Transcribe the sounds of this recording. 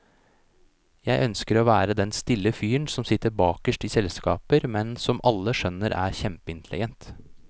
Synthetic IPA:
jæɪʔœnskəɾoːʋæːɾəd̪ɛnst̪ɪlːəfyːəɳsɔmsɪt̪ːəɾbɑːkəʂʈiːsɛlskɑːpəɾmɛnsɔmʔɑlːəʂœnəɾʔæ̰ːɾçɛmpəɪnt̪ʰəlɪ̰ɡɛnt̪

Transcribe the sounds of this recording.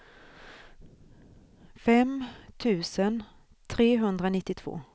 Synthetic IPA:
fɛmt̪ʰʉ̟ːsən | t̪ʰɾeːɦɵnd̪ɾanɪt̪ːɪt̪ʰv̥o̰ː

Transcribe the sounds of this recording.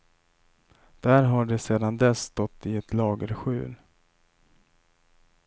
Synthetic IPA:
d̪̥æɾɦaɖɛseːd̪and̪ɛsːt̪ɔt̪ʰːɪɛt̪lɑːɡəɾɧʉ̟ːl

